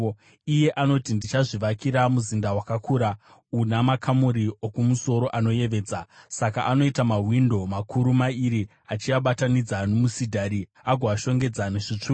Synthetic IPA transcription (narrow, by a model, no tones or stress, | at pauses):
ije̞ʔano̞tindit͡ʃaʐiʋakiɾamuzindawakakʰuːɾa | unamakʰamuɾiokumuso̞ɾo̞ʔano̞je̞ʋe̞ːd͡zasaka̰ʔano̞itamaɦwindo̞makʰuɾumaiɾi | at͡ʃiaɓatanid͡zanomusidʱaɾi | aɡʱoaʃo̞ŋɡe̞d͡zaneʐit͡ʂuː